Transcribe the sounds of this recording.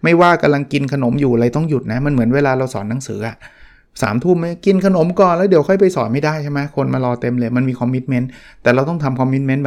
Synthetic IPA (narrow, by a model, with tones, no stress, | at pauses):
ma˥˩jwaː˥˩ka˧mla˧ŋki˧nkʰa˧no˩˦mjuː˨˩ɾa˧jt̪ɔ˥˩ŋju˨˩t̪̚na˦˥ma˧nmɯ˩˦ənweː˧laː˧ɾa˧wsɔ̰ː˩˦nːa˩˦ŋsɯː˩˦ʔa˨˩ʔ | sa̰ː˩˦mt̪ʰuː˥˩mːa˦˥jki˧nkʰa˧no˨˩˦mkɔː˨˩nlɛ˦˥wdi˨˩˦wkʰɔ˥˩jp̬a˧jsɔː˩˦nma˥˩jdaː˥˩jt͡ɕʰa˥˩ma˦˥kʰo˧nmaː˧lɔː˧t̪e˧mlɤː˧jma˧nmiː˧kʰɔ˧mːi˦˥t̪̚me˦˥nt̪ɛː˨˩ɾa˧wt̪ɔ˥˩ŋt̪ʰa˧mkʰɔ˧mːi˦˥t̪̚me˦˥nb